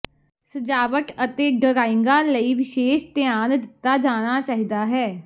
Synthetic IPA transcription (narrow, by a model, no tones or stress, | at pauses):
səd͡ʒaːʋəkət̪eːɖəɾaːɪŋɡaːləiːʋɪʃeːʃt̪ɪjaːnd̪ɪt̪ːaːd͡ʒaːñaːt͡ʃaːɦid̪aːɦɛː